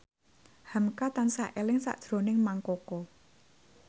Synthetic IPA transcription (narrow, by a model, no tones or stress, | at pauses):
hamkat̪ansaʔelɪŋsa̰ʔd̥ʒ̥ɾo̤nɪŋmaŋkɔkɔ